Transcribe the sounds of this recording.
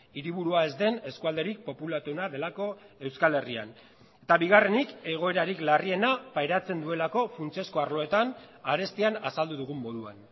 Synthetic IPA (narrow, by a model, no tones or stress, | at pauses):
iɾiβuɾuae̞zd̪e̞ne̞skuald̪e̞ɾik̚po̞pulat̪unaðe̞lako̞e̞wskale̞ria̰n | e̞t̪aβiɣare̞nike̞ɣ̞o̞e̞ɾaɾiklarie̞napajɾat͡se̞nd̪ue̞lako̞funt͡se̞sko̞aɾlo̞e̞t̪anaɾe̞st̪ianasald̪uðuɣ̞umːo̞ðua̰n